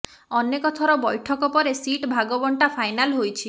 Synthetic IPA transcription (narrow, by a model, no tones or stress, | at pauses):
ɔnːekɔt̪ʰɔɾɔbɔjʈʰɔkɔpɔɾesiʈbʱaɡɔbɔɳʈapʰajnalɦojt͡ʃʰi